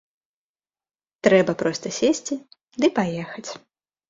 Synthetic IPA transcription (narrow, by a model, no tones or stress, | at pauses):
t̪ɾɛbɐpɾɔst̪ɐsʲesʲt͡sʲi | d̪ɨpajɛxɐt͡sʲ